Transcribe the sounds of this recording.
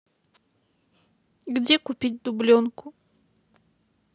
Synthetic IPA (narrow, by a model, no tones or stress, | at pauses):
ɡdʲɛkʊpʲit̚ʲd̪ʊblʲɔnkʊ